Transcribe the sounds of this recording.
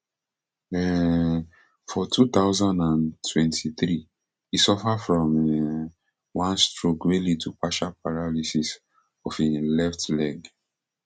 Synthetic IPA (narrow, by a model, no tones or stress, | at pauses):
ɛ | fɔtʰut̪aʊzãndãntʰwɛ̃ntʰiθɹi | isɔfafɹɔ̃mɛ | wãnstɹokweled̚tupaʃapaɹalisis | ɔfelɛftlɛɡ